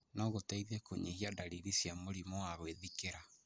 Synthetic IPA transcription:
nɔɣotɛiðekoɲihiadaɾiɾisjamoɾimɔwaɣweðikeɾa

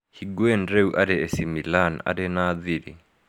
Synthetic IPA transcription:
hiɡwɛndɾeuʔaɾɛɛsimilana̰dɛnaðiɾi

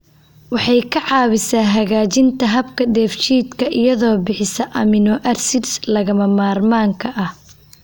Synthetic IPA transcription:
wɑħɑjkʰɐʕɑːβɪsaːɦɐɣaːt͡ʃɪnt̪ʰɐɦɐbkʰɐd̪ɛːft͡ʃiːd̪kʰɐʔɪjɐðɔːbɪħɪsɐʔɐmɪnɔʔɐrsɪdslɐɣɐmɐmaːrmaːŋkʰɐʔɐh

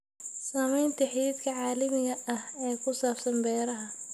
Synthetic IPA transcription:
saːmɛjnt̪ʰɐħɪɪd̪kʰɐʕɑːlɐmɪɣɐʔɐhɛːkʰʊsaːfsɐnbɛːɾɐɦɐ

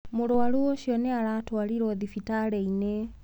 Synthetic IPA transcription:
mulowaluɔʃɔnealatwaliɾoðifitaleine

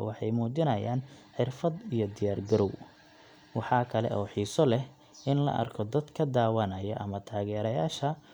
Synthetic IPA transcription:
wɑħɑjmuːt͡ʃɪnɐjaːnħɪrfɐd̪ijɔd̪ɪjaːrɡɐɾɔw | wɑħɑːkʰɐlɛ̰ʔɔːħiːsɔlɛh | ʔɪnlɐ̰ʔɐ̰rkʰɔd̪ɐd̪kʰɐd̪aːwɐnɐjɐʔɐmɐt̪ʰaːɣɛːɾɐjaːʃɐ

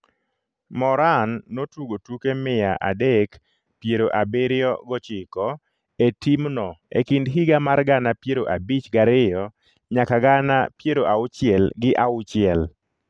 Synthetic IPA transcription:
mɔɾanːotuɡotukemɪjaʔa̰dek | pjeɾoʔabeɾɪɔɡɔt͡ʃɪkɔ | etimnɔḛkindɦiɡamarɡanapjeɾoʔabit͡ʃɡaɾɪjɔ | ɲakaɡanapjeɾoʔaʊt͡ʃɪɛlɡɪʔaʊt͡ʃɪɛl

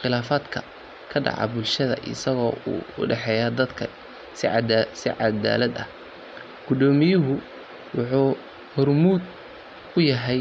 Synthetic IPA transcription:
χɪlaːfaːd̪kʰɐ | kʰɐɖɑ̰ʕɑ̰bʊlʃɐðɐ̰ʔɪ̰sɐɣɔːṵːʊ̰ɖɛħɛːjaːd̪ɐd̪kʰɐ | ssɪ̰ʕɑ̰d̪a̰ːlɐd̪ɐ̰h | ɡ̥ʊd̪ɔːmɪjʊɦʊ | wɑħuː | hɔrmuːd̪ | ʊjɐɦɛj

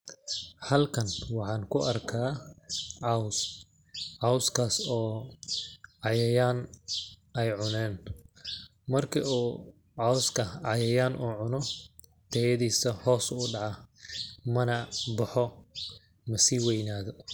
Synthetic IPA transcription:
hɐlkʰɐnwɑħɑːnkʰʊʔɐrkʰaː | ʕɑws | ʕɑwskʰaːsɔː | ʕɑjɐjaːn | ɛjʕʊnɛːn | mɐrkʰḭʔuː | ʕɑwskʰɐʕɑjɐjaːnʔuːʕʊnɔ | t̪ʰɛjɐðiːsɐhɔːsuːɖɑʕɑ | mɐnɐbɑħɔ | mɐsiːwɛjnaːðɔ

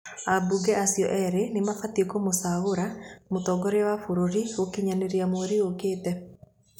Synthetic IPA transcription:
abuɡɛʔasiɔ̰ʔɛɾenemafatiekomosaɣoɾamotɔɡɔɾewafoɾoɾiokiɲaneɾeamoɾiokeːtɛ

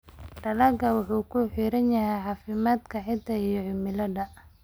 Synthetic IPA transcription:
ɖɐlɐɡɐwɑħuːkʰʊħiːɾɐnjɐɦɛjħɑːfɪmaːd̪kʰɐħɪt̪ːɐijɔʕɪmɪlɐɖɐ

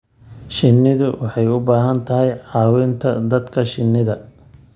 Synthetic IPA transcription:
ʃɪnːɪðʊwʔɑħɑjʊbaːɦɐnt̪ʰɐɦɛjʕɑːwɪnt̪ʰɐd̪ɐd̪kʰɐʃɪnːɪðɐ

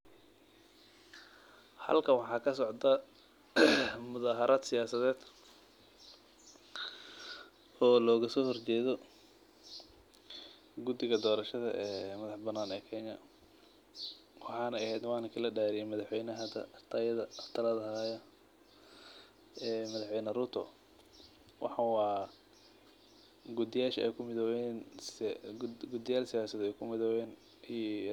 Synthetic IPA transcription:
hɐ̰lkʰɐwɑħɑːkʰɐsɔʕd̪ɐ | mʊðaːɦɐɾʔaːd̪sɪjaːsɐðɛːd̪ | ɔːlɔːɣɐsɔːhɔrt͡ʃɛːðɔ | ɡʊd̪ɪɣɐd̪ɔːɾɐʃɐðɐʔɛːmɐðɑħbɐnːaːnɛːkʰɛnɐ | wɑħɑːnɛɐhɛjd̪wɑːnɐkʰilɐɖaːɾɪɛmɐðɑħwɛjnɐɦɐd̪ɐ̰t̪ʰɐjɐðɐt̪ʰɐlɐðɐɦjɐ | ɛːmɐðɐħwɛjnɐrʊt̪ʰɔ̰ | wʔɑ̰ħɑwɑː | ɡʊd̪ɪjaːʃɐɛ̰jkʰʊmɪðɔwɛn | ɡʊd̪ɪjaːlsɪjaːsɐðɛːkʰʊmɪðɔwɛːn | i

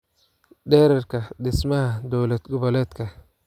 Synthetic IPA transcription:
ɖɛːɾɛrkʰɐɗɪsmɐhɐd̪ɔːlɛd̪ɡʊβɐlɛːt̪kʰɐ

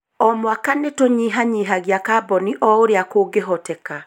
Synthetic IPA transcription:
ɔmwakanetoɲiɦaɲiːɦaɣjakabɔniʔɔoɾeakoːɡeɦɔtɛka

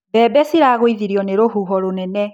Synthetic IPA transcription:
bɛːbɛsiɾaɣoiðiɾiɔneɾoɦuɦɔɾonɛnɛ

